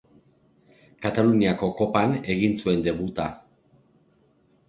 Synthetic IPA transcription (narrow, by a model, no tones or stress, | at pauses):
kat̪aluniako̞ko̞pane̞ɣinsue̞nd̪e̞βut̪a